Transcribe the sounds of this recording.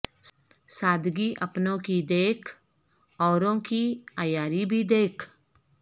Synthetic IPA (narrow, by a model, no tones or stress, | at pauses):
saːd̪ɡiːʔəpnõːkiːd̪eːkʰ | ɔːɾõːkiːaːjaːɾibʱiːd̪eːkʰ